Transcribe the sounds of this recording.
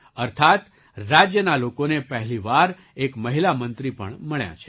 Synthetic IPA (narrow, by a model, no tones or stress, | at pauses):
əɾt̪ʰat̪ | ɾad͡ʒjənalokonepəɦɛliʋaɾ | ekməɦilamənt̪ɾipə̰ɳməɳja̰t͡ʃʰe̥